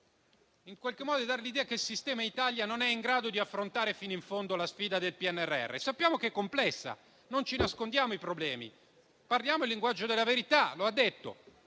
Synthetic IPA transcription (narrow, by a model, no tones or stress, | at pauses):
iŋkwalkemːɔːd̪od̪id̪aɾelid̪ɛːakeilsist̪ɛːmait̪aljanonɛiŋɡɾaːd̪od̪iafːɾont̪aːɾefiːnoiɱfond̪olasfiːd̪ad̪elpiɛnːɛrːeɛ̰rːḛsapːjaːmokeɛkːomplɛsːa̰ | nont͡ʃinaskond̪jaːmoipɾoblɛːmḭ | parljaːmoilːiŋɡwad͡ʒːod̪elːaveɾit̪aload̪ːet̪ːo̰